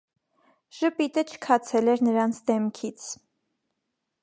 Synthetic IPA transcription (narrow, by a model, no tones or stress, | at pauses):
ʒ̥əpit̪ət͡ʃʰə̥kʰɑt͡sʰɛlɛɾnəɾɑnt͡sʰd̪ɛmkʰit͡sʰ